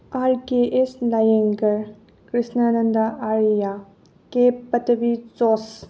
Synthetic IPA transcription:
aɾkeʔeslajeŋɡɐɾ | kɾisnɐːnɐndɐʔaɾja | kepːɐtɐbit͡ʃɔs

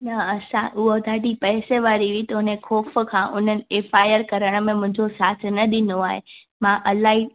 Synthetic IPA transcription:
nɐɐsã̰ʔʊɦod̪ʱaːʈipɛːseʋaːɾiʋĩt̪ɐʊnẽkʰoːfkʰãːʔʊn̤ənɪ̆eːfaːjəɾkɐɾəɽ̃ə̆mẽmʊ̃ɦɪ̃ɲd͡ʑosaːt̪ʰnɐɗɪnoaːɦe | mãʔɐlaːɦi

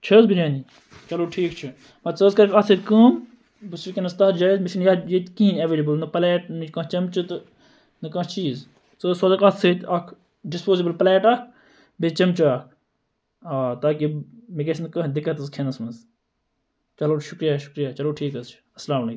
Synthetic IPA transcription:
t͡ʃʰɐzbiɾʲãːni | t͡ʃɐloːʈʰiːkt͡ʃʰu | mɐt͡səːzkɐɾeʈɐt̪ʰet̪kəːm | bɨsɾkʲeːnɐst̪aːd͡ʒaːjzmiʃʰinjɐjet̪kĩnɐʋeːlibəlnɨplɛːʈnikɐ̃t͡ʃɐmt͡ʃɨt̪ | nɨkɐ̃ːt͡ʃiːz | t͡səːsɐzɐkɐt̪ʰːet̪ɐkʰ | ɖɪspoːzibəlplɛːʈɐkʰ | bet͡ʃɐmt͡ʃaɐːk̚ʰ | aːt̪aːkimeket͡ʃʰnkɐ̃ːd̪ɪkːət̪ɐskʰeːnɐsmɐz | t͡ʃɐloːʃʊkɾijaːʃʊ̥kɾijaːt͡ʃɐloːʈʰiːkɐst͡ʃʰi̥ɐslaːmɐleːk

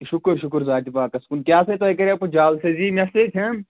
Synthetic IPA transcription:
ʃʊkɾʃʊkɾzaːt̪ipaːkɐskuːnkjaːset̪oɐkɐɾapud͡ʒaːlseziːmʲɐset̪ʲʰem

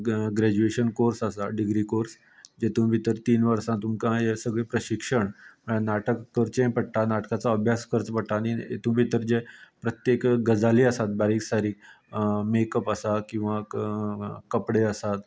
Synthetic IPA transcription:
ɡɾæd͡ʑueɕənkoɾsasaɖiɡɾikoɾs | d͡ʑet̪ũːbʱit̪əɾt̪iːnʋəɾsãt̪umkãesəɡɭepɾəɕikʂəɳəanaʈəkːəɾt͡sẽpəɽʈanaʈkat͡saəbʱjaskəɾt͡spəɽʈ̪aːñiḛt̪ũːbʱit̪əɾd͡ʑepɾət̪jekɡəd͡zaliəsat̪̚baɾiːksaɾiːk̚ | mekəpəsakĩw̃ʋa | kəpɽeəsat̪

